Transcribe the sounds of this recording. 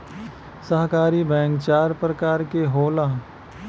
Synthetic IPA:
səɦkaːɾibɛ̃ːŋkt͡ʃaːɾpɾəkaːɾkeɦoːlaː

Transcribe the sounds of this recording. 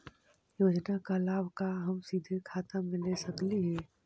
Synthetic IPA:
joːd͡ʒnakalaːbʱkaɦəmsid̪ʱekʰaːt̪amɪ̃lesəkliɦɛ̃ː

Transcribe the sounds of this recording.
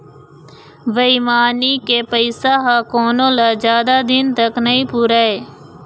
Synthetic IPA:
ʋəiːmaːnikepəɪsaɦakoːnõːlad͡ʒjaːd̪ad̪ɪnt̪əknəĩːpuːɾaːɦeː

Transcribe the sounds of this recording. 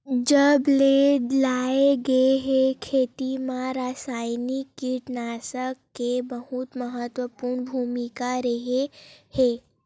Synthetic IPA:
d͡ʒəblelaeɡəeɦekʰeːt̪imãɾasaːjnikːiʈnaːsəkːebəhut̪məɦət̪ʋəpuːɾɳbʱuːmikaɾəɦehe

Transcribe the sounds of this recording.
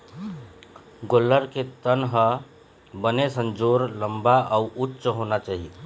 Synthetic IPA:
ɡolːəɾket̪ənɦə | bənesənd͡ʒoɾləmbaauʔutːt͡ʃɦonat͡ʃaɦie

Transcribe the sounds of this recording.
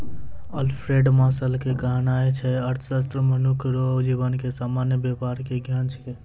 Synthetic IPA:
əlpʰɾeɖmasəlkekaɦnaet͡ʃʰɛəɾt̪ʰəsas̬t̪ɾəmənukʰɾod͡ʒibənkesamanjəbjepaɾkeɡʱjãnt͡ʃʰke

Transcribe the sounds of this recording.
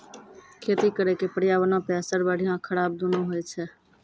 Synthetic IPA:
kʰeːt̪ikəɾekepəɽijaʋənãpɛsəɾbəɽiãkʰəɽaːb̚d̪unoɦojt͡ʃʰɛ

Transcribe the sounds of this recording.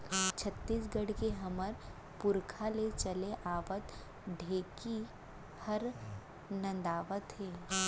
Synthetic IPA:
t͡ʃʰət̪ːiːsɡəɽkeɦɐməɾ | pʊɾkʰalet͡ʃɐleʔaːʋət̪ | ɖʱeːki | hɐɾ | nɐ̃nd̪aːʋət̪ɦeː

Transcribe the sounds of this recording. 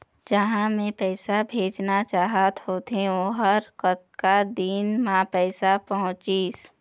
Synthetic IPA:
d͡ʒəɦãmẽpɛːsabʱeːd͡ʒnat͡ʃaːɦat̪ɦoːt̪ẽoɦəɾkət̪kad̪inmãpɛːsapəɦʊ̃t͡ʃiːs

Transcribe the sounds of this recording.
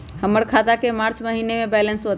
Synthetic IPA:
həməɾkʰad̪akemaɾt͡ʃməɦinemebɛlənsot̪

